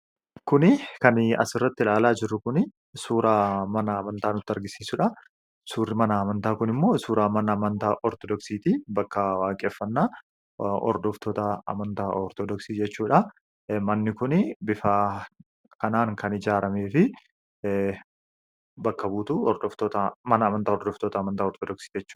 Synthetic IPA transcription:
kʊnɪkɐnɐ̰sɪrːɐt̪ːɪlaːlaːd͡ʒɪrːʊkʊnɪ | suːɾamɐnɐːmɐnt̪aːnʊt̪ːɪɐɾɡɪsiːsʊᶑɐ | suːrɪmɐnɐːmɐnt̪aːkʊnɪmːoːsuːɾaːmɐnɐːmɐnt̪aːʔɔɾt̪ɔd̪ɔksiːt̪iːbɐkːɐwaːkʼeːfːɐnːaː | ɔ̰ɾd̪ɔft̪ɔt̪ɐɐ̰mɐnt̪aːɔɾt̪ɔd̪ɔksiːd͡ʒɛt͡ʃːuːᶑɐ | mɐnːɪkʊnɪbɪfaː | kɐnaːŋkʰɐnɪd͡ʒaːɾɐmeːfɪ | bɐkːɐbuːt̪uɔɾd̪ɔft̪oːt̪ɐmɐnɐɐmɐnt̪aːɔɾd̪ɔft̪oːt̪ɐɐmɐnt̪aːɔɾt̪ɔd̪ɔksi̥ːd͡ʒɛt͡ʃːu̥ː

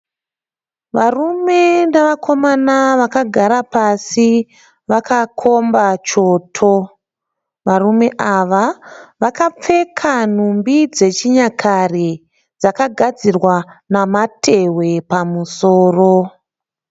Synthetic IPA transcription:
ʋarume̞naʋakʰo̞manaʋakaɡʱaɾapasi | ʋakakʰo̞mbat͡ʃo̞tʰo | ʋarume̞ʔaʋaʋakap͡fe̞kʰan̤umbid͡ze̞t͡ʃiɲakʰare | d͡zakaɡʱad͡zirwanamatʰe̞we̞pamusoːro

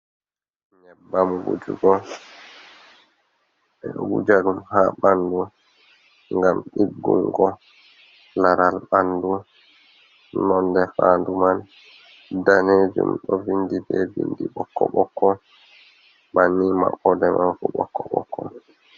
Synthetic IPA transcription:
ɲɛbːamɡṵd͡ʒṵɡɔ | ɛɗɔwud͡ʒaɾumhaɓandu | ŋɡamɗiɡːuŋɡɔ | laɾalɓandu | nɔndɛfanduman | daneːd͡ʒṵmɗɔvindibɛbḭndiɓɔkːɔɓɔkːɔ | manːima̰ʔɔdɛmanfuɓɔ̰kːɔɓɔ̰kʰːɔ

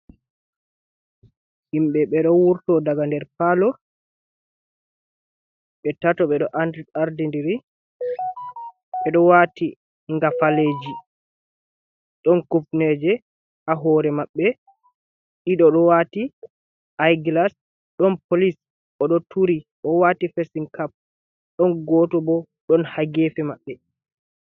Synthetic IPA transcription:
himɓɛɓɛɗɔwuɾtɔdaɡandɛɾpalɔ | ɓɛtatɔɓɛɗɔʔandaɾdindiɾi | ɓɛɗɔwaːti | ŋɡafaleːd͡ʒi | ɗɔnkupnɛd͡ʒɛ | aɦɔːɾɛmaɓːɛ | ɗiɗɔɗɔwaːti | ʔajɡlas | ɗɔnpolis | ɔɗɔtʰuɾiʔɔwaːtifesinkap̚ | ɗɔnɡɔtɔbɔ | ɗɔnhaɡefɛmaɓːɛ

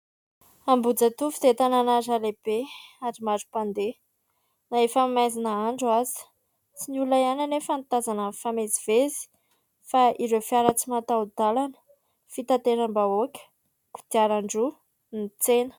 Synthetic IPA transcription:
ambud͡zət̪ufud̪et̪ananaɾaleb̥eaɾimaɾu̥pand̪e | naefamazinəaɳɖ͡ʐuazi̥ | t͡sinulajananefant̪azanəfameziv̥ezi̥ | faʔiɾewfiaɾat͡simat̪aud̪alanə̥ | fit̪at̪eɾambaokʲə̥ | ku̥t̪iaɾaɳɖ͡ʐu | nit͡senə̥

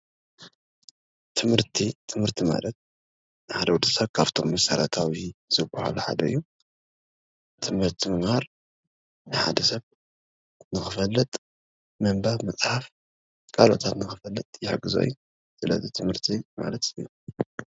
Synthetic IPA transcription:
t̪ʰɨmhɨɾt̪ʰit̪ʰɨmhɨɾt̪ʰima̰lɐt̪̚ | nɨħad̪ɐwud̪ɨsɐβkʰaβt̪ʰo̞mːɐsɐɾɐt̪ʰawiz̥ɨbɐha̰luħa̰d̪ɐɨ̰jːu | t̪ʰɨmhɨɾt̪ʰimɨmhaɾ | nɨħa̰d̪ɐsɐβ | nɨxɨfɐlːɨt̪ʼ | mɐmbaβmɐt͡sʼħaf | kʼalo̞̰t̪ʰat̪nɨxɨfɐlːɨt̪ʼjɪħaɡɨzo̰j | sɨlɐ̰zit̪ʰɨmhɨɾt̪ʰima̰lɐt̪ɨjːu

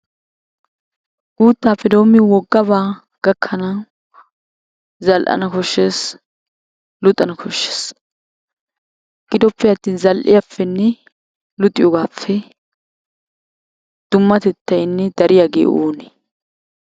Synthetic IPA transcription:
ɡ̥uːt̪ːaːfːɛd̪o̞ːmːɪwɔɡːɐβaː | ɡ̥ɐkʰːɐnɐ | zɐlʔɐ̰nɐkɔʃːeːs | lʊt̪ʼɐnɐkʰɔʃːe̥ːs | ɡ̥ɪd̪ɔpːɛjɐt̪ːiːnzɐlʔɪ̰jafːɛnːɛ | lʊt̪ʼɪjɔɡaːfːɛ | d̪̥ʊmːɐt̪ɛt̪ːɐjnːɛd̪ɐɾɪjaɡeːʔoːnɛ

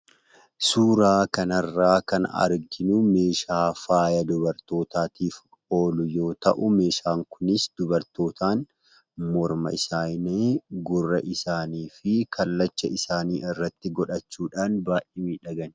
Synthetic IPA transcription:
suːɾaːkɐnɐrːaːkɐnɐ̰ɾɡɪnʊme̞ːʃaːfaːjɐd̪ʊbɐɾt̪o̞ːt̪aːt̪ʰiːf | o̞ːlʊjo̞ːt̪ɐʔʊme̞ːʃaːŋkʰʊnɪsd̪ʊbɐɾt̪o̞ːt̪ʰaːn | mɔɾmɐ̰ɪsaːjneːɡʊrːɐʔɪsaːniːfɪkʰɐlːɐt͡ʃːɐɪsaːniːʔɪrːɐt̪ːɪɡɔᶑɐt͡ʃːuːᶑaːnbaːʔeːmiːᶑɐɡɐn

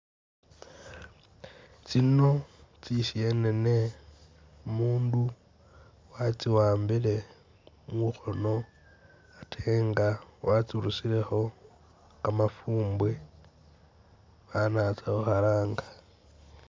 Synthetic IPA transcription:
t͡sinot͡sisie̞nene | muːndu | wat͡siwaːmbile̞ | ŋuxono̞ | atʰeːŋɡawat͡siɾusile̞xo̞ | kamafuːmbwe | βanat͡saoxalaːŋɡḁ

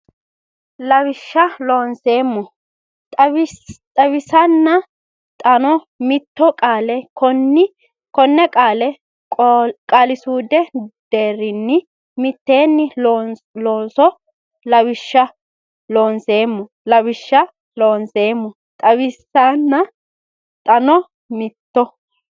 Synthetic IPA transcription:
lɐβɪʃːɐlo̞ːnseːmːɔ | ɐt̪ʼɐβɪsɐnːɐ | t̪ʼɐnɔ | mɪt̪ːɔkʼaːlɛkɔnɪ | kɔnːɛkʼaːlɛ | kʼalɪsuːd̪ɛd̪̥eːɾːɪnːɪ | mɪt̪ːe̞ːnːɪ | loːnsɔ | lɐβɪʃːɐ | lo̞ːnse̞ːmːɔ | lɐβɪʃːɐ | loːnse̞ːmːɔ | t̪ʼɐβɪsɐnːɐ | t̪ʼɐnɔ | mɪt̪ːɔ

